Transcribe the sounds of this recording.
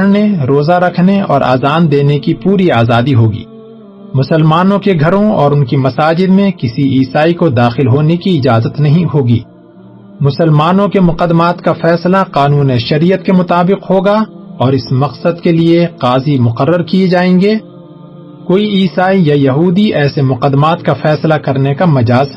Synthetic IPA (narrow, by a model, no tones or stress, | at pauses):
ɽneɾoːzaɾɐkʰneɔ̰ːɾʔa̰ːzaːnd̪eːnekipuːɾiaːzaːd̪iɦoːɡḭː | mʊsəlmaːnõkeɡʱɐɾõɔːɾʊnkimɐsaːd͡ʒɪd̪mẽkɪsiʔiːsaːikod̪aːxɪlɦoːnekiɪd͡ʒaːzət̪nɐɦĩɦhoːɡḭː | mʊsəlmaːnõkemʊqəd̪ːmaːt̪kafɛːslaqaːnuːneʃɐɾijət̪̚kemʊt̪aːbɪqɦoːɡaɔːɾɪsmɐqsəd̪kelieqaːzimʊqəɾːəɾkied͡ʒaːẽːŋɡeː | koːiiːsaːijɐjɐɦuːd̪iɛːsemʊqəd̪ːmaːt̪kafɛːslakɐɾnekamɐd͡ʒaːz